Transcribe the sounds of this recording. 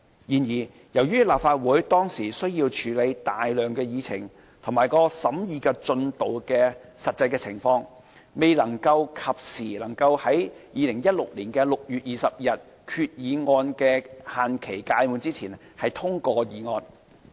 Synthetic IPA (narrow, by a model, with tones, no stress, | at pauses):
jiː˨˩njiː˨˩ | jɐ˨˩wjyː˥laː˨p̚faː˧t̚wuː˨˥jt̪ɔː˥ŋsiː˨˩sɵ˥ɥjiː˧wt͡ʃʰyː˨˧le˨˧jt̪aː˨jlœː˨˩ŋkɛː˧jiː˨˧t͡sʰɪ̰˨˩ŋ | t̪ʰʊ˨˩ŋmaː˨jkɔː˧sɐ˨˥mjiː˨˧kɛː˧t͡ʃɵ˧nt̪o˨wkɛː˧sɐ˨t̚t͡sɐ˧jkɛː˧t͡sʰɪ˨˩ŋfɔː˧ŋ | me˨jlɐ˨˩ŋkɐ˧wkʰɐ˨p̚siː˨˩lɐ˨˩ŋkɐ˧whɐ˨˥jjiː˨˧lɪ˨˩ŋjɐ˥t̚lʊ˨k̚liː˨˩nkɛː˧lʊ˨k̚jyː˨t̚jiː˨sɐ˨p̚jɐ˨t̚ | kʰyː˧t̚jiː˨˧ŋɔː˧nkɛː˧haː˨nkʰe˨˩jkaː˧jmuː˨˧nt͡siː˥t͡sʰiː˨˩n | hɐ˨jt̪ʰʊ˥ŋkɔː˧jiː˨˧ŋɔː˧n